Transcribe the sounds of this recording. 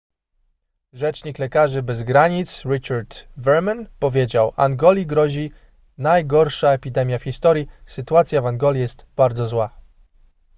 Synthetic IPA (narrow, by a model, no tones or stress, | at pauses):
ʐɛt͡ʂɲiklɛkaʐɘbɛzɡɾaɲit̪sɾɘt͡ʂaɾd̪vɛɾmɛnpɔvʲjed͡ʑawʔa̰ŋɡɔlʲiɡɾɔʑi | najɡɔɾʂaɛpʲid̪ɛmʲjafxʲist̪ɔɾʲjisɘt̪uat̪sʲjavaŋɡɔlʲijɛst̪b̥aɾd̪zɔzwa